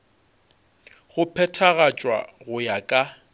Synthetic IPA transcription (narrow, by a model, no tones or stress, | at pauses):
ɣʊpʰɛtʰaɣat͡ʃʼwa̰ɣʊjakʼa